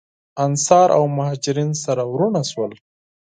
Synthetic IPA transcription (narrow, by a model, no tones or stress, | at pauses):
ansɑɾʔa̰wmʊhɑd͡ʒɪɾinsaɾawɾunaʃwəl